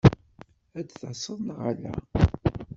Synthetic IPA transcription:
æd̪θsˤːəðˤnʁa̰læ̰

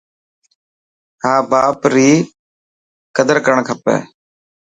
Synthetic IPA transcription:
ɦaːbaːpɾiː | kəd̪əɾkəɳkʰəpɛ̰ː

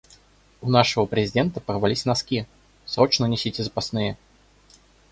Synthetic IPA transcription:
ʊnaʂəvəpɾʲɪzʲɪdʲent̪əpərvalʲisʲnɐskʲi | sɾot͡ɕnənʲɪsʲitʲɪzəpasnɨjə

